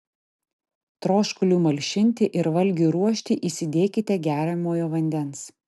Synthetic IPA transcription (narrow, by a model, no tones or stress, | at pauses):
t̪ɾoːʃkʊlʲuːmɐlʲʃʲɪnʲt̪ʲɪʔɪɾʋɐlʲɡʲuːɾuɔʃʲt̪ʲiːʔiːsʲɪd̪ʲeːkʲɪt̪ʲɛɡʲæːɾʲɛmoːjoːʋɐnʲd̪ʲɛns